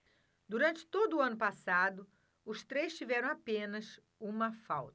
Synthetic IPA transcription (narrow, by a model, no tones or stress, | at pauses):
d̪uɾɐ̃nt͡ʃɪ̥t̪od̪ʊːɐ̃nʊpasad̪ʊ | ʊst̪ɾejst͡ʃivɛɾɐ̃w̃apẽnɐs | ũmɐfawt̪ɐ